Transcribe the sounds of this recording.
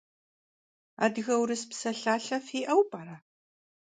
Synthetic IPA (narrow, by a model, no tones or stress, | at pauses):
a̰ːdɣɐwɾɨspsɐɬaːɬɐfiːʔɐwbʼaːɾa